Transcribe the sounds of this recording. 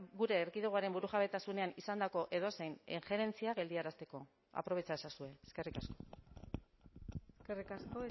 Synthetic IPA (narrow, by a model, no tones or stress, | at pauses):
ɣuɾe̞ːɾɣiðeuaɾe̞mbuɾuʝaβet̪asune̞anisand̪ako̞ʔe̞ð̞o̞se̞jniŋxe̞ɾe̞nt͡siaɣe̞ld̪iaɾast̪e̞ko̞ | a̰pɾoe̞t͡ʃasasue̞eske̞rikasko̞̥ | skerikasko